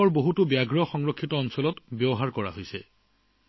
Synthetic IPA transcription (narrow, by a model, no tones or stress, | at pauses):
ɔɹboɦutʊbjaɡɹɔxɔŋɹɔkʰːitɔːnsɔlɔtbjɔbɔɦaɹkɔɹa̰ɦojsɛ̰